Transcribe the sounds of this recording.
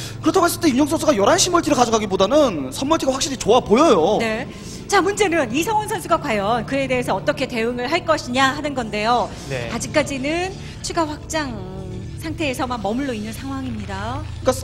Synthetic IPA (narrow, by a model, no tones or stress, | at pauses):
kɯɾʌtʰaɡoes͈ɭt͈e̞juɲoŋs͈ʰʌnsʰuɡajʌɾanɕʰimʌɭtʰiɾɯɭkad͡ʑʌɡʰaɡibodanɯnsʰʌmːʌɭtʰiɡaɸwakɕ͈iɾit͡ɕoapojʌjone̞ | t͡ɕamund͡ʑe̞nɯnisʰʌŋwʌnsʰʌnsʰuɡakwajʌnkɯe̞de̞esʰʌʌt͈ʌkʰe̞te̞ɯŋɯɭɦaɭk͈ʌɕʰiɲaɦanɯnɡʌnde̞jo | nead͡ʑik͈ad͡ʑinɯn | t͡ɕʰuɡaɸwak̚t͡ɕ͈aŋ | sʰaŋtʰe̞ːsʰʌmanmʌmɯɭːoinːɯnsʰaŋɦwaŋimɲida | k͈a